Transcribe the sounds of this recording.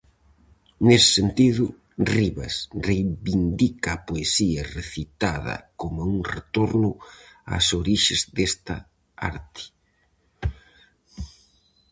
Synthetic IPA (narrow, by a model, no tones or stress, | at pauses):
nesɪ̥sent̪iðʊ | riβɐ̰srejβind̪ikɐːpoesiɐreθit̪aðɐ̰komauŋret̪oɾnʊa̰soɾiʃezd̪est̪ɐ | a̰ɾt̪ɪ̥